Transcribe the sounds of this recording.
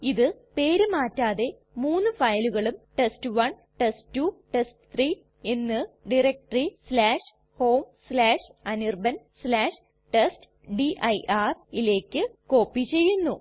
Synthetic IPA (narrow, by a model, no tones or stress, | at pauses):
iðɨpe̞ːɾumaːtːaːðe̞ | muːnːɨfɐjluɣɐɭumʈestɨʋɐn | ʈestːuʈestɨt̪riː | e̞nːɨɖirek̚ʈrislaːʂ | ho̞ːmslaːʂɐnirbɐn | slaːʂ | ʈest | ɖiʔɐjʔaːrile̞ːkʲːɨko̞ːpːit͡ɕe̞jːunːu